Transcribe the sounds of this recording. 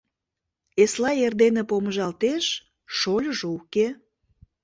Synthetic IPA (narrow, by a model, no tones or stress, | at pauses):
eslɑerd̪enepoməʒɑlt̪eʃ | ʃolʲəʒouke